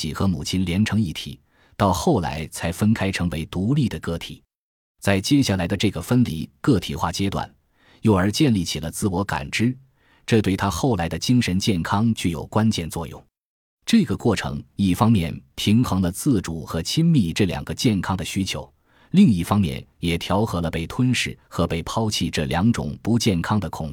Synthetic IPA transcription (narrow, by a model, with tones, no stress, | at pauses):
i˨˩xɤ˧˥mu˨˩t͡ɕʰi˥nljɛ˧˥nʈ͡ʂʰɤ˧˥ŋi˥˩t̪ʰḭ˨˩˦ | t̪ɑ˥˧ʊxo˥˩ʊla̰˧˥ɪt͡sʰa˧˥ɪfə˥nkʰa˥ɪʈ͡ʂʰɤ˧˥ŋwe˧˥ɪt̪u˧˥li˥˩d̪ə˩kɤ˥˩t̪ʰḭ˨˩˦ | t͡sa˥˧ɪt͡ɕjɛ˥˧ɕja˥˩la˧˥ɪd̪ə˧ʈ͡ʂɤ˥˩ɡə˩fə˥nlḭ˧˥˩kɤ˥˩t̪ʰi˨˩xwa˥˩t͡ɕjɛ˥t̪wa̰˨˩n | jo˥˩ʊə˞˧˥t͡ɕjɛ˥˧nli˥˩t͡ɕʰi˨˩lə˦t͡sɹ̩˥˩wɔ˧˥ka̰˨˩nʈ͡ʂɻ̩˥ | ʈ͡ʂɤ˥˧t̪we˥˩ɪt̪ʰa˥xo˥˩ʊla˧˥ɪd̪ə˧t͡ɕi˥ŋʂə˧˥nt͡ɕjɛ˥˩nkʰɑ˥ŋt͡ɕy˥˩jo˨˩ʊkwa˥nt͡ɕjɛ˥˧nt͡swɔ˥˧jʊ̰˥˩ŋ | ʈ͡ʂɤ˥˩ɡə˩kwɔ˥˩ʈ͡ʂʰɤ̰˧˥ŋi˥˩fɑ˥ŋmjɛ˥˩npʰi˧˥ŋxɤ˧˥ŋlə˧t͡sɹ̩˥˩ʈ͡ʂu˨˩xɤ˧˥t͡ɕʰi˥nmi˥˧ʈ͡ʂɤ˥˩ljɑ̰˨˩ŋɡə˦t͡ɕjɛ˥˩nkʰɑ˥ŋd̪ə˨ɕy˥t͡ɕʰjo˧˥ʊ | li˥˧ŋi˥˩fɑ˥ŋmjɛ̰˥˩njɛ˨˩t̪ʰjɑ˧˥ʊxɤ˧˥lə˧pe˥˩ɪt̪ʰwə˥nʂɻ̩˥˩xɤ˧˥pe˥˩ɪpʰɑ˥ʊt͡ɕʰi˥˧˩ʈ͡ʂɤ˥˩ljɑ˧˥ŋʈ͡ʂʊ̰˨˩ŋpu˧˥t͡ɕjɛ˥˩nkʰɑ˥ŋd̪ə˨kʰʊ̰˨˩ŋ˥